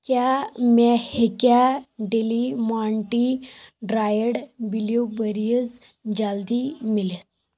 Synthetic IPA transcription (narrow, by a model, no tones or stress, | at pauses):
kjamahekaɖelimaɳʈiɖɾajəɽbiljubəɾijəd͡z | d͡ʑəld̪iːmilet̪̚